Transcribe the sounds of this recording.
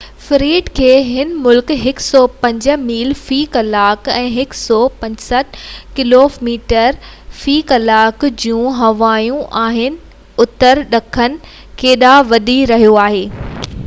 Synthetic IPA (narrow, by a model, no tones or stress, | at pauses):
fɪɾiːʈkʰeːɦɪnmʊlkɦɪksɔːpɐ̃ɲd͡ʑə̆miːlfiːkɐlaːkɛ̃ːɦɪksɔːpɐ̃ɲsəʈ̚ʰkɪloːmiːʈəɾ | fiːkɐlaːkd͡ʑũːɦɐʋaːjũʔaːɦɪnɪ̆ | ʊt̪əɾɗɐkʰənɪ̆ | keːɗaʋɐɗiɾɐɦijoaːɦeː